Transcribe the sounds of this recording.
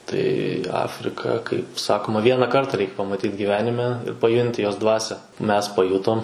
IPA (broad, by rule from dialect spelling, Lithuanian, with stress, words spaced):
tɐɪ ˈɑːfʲrʲɪkɐ kɐɪp ˈsɑːkoːmɐ ˈʋʲiɛnɐ ˈkɐrtɐ ˈrʲɛɪk pɐmɐˈtʲiːt ɡʲɪˈʋʲæːnʲɪmʲɛ pɐˈjʊnʲtʲɪ ˈjoːs ˈdʋɑːsʲæː mʲɛs pɐˈjʊtoːm